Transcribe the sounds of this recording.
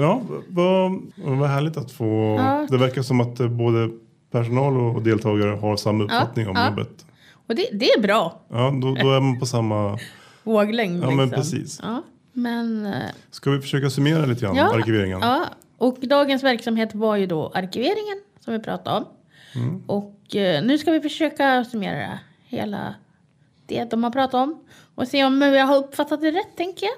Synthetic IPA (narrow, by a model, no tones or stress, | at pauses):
jɑːvamɛnvaɦæːɭɪɡt̪at̪foːɑːd̪ɛvæɾkaʂɔmat̪̚ɛboːd̪ə | pʰæʂʊnɑːlɔd̪eːlt̪ʰɑːɡaɾəɦaɾsamːaɵpfːat̪nɪŋɔ̰mjɔbːə̰t̪ | ɔd̪ɛd̪ɛæɾbɾɑːjɑːd̪ɔd̪ɔæɾmanpʰɔsamːa | voːɡlɛŋnɑːmɛnpʰɾɛḭːsɑː | mɛnskavɪfœ̥ʂøːkasɵmeːɾaliːt̪əɡɾa̰nɑːaɾkɪveːɾɪ̰ŋə̰nɑː | ʔɔkd̪ɑːɡənsvæɾksamɦeːt̪vaɾjɵd̪ɔʔaɾkɪveːɾɪŋənsɔmvɪpʰɾɑ̰ːt̪aɾɔm | ʔɔknʉ̟ːskavɪfœʂøːkasɵmḛːɾa̰ | hḛːla̰ | d̪̥ɛd̪ɔmhaɾpʰɾɑːt̪at̪ɔm | ɔseːɔmɵjɑɦaɾɵpːfat̪ːat̪̚ɛɾɛt̪ʰːɛŋkəja